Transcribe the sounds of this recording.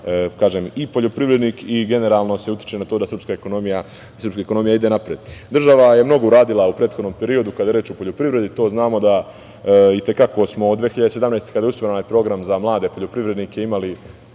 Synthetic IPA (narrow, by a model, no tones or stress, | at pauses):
kaːʒe̞ːmipo̞ʎo̞pɾiʋɾed̪niːkiɡe̞ne̞ɾaːlˠno̞se̞ut̪ji̥t͡ʃenat̪oːd̪asrpskaekonomija | sr̩pskaeko̞no̞mijaid̪e̞napɾeːd̪d̪r̩ʒaʋaje̞mno̞ɡo̞uɾaːd̪ilaupɾet̪xod̪nompe̞ɾio̞d̪ukad̪ajɾeːt͡ʃo̞po̞ʎo̞pɾiʋɾe̞d̪it̪o̞ːznaːmo̞d̪a | it̪e̞kako̞smo̞ːd̪d̪ʋeːxiʎad̪eseamnaest̪ekad̪ajusʋoɾenajepɾo̞ɡɾamzamlˠaːd̪e̞poʎo̞pɾiʋɾe̞d̪niːkeimali